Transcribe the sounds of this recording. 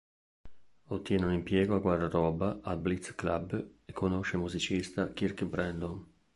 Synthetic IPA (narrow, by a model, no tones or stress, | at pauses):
ot̪ːjɛːnunimpjɛːɡoaɡward̪aɾɔːbaʔalblit̪sklabekʰːonoʃemuzit͡ʃist̪akiɾkibɾɛnd̪on